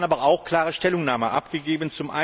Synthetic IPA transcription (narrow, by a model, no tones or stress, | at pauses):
nʔaːbɐaʊxkl̥aːʁəʃtɛlʊŋnaːməʔa̰pɡ̥əɡeːbənt͡sʊmʔa̰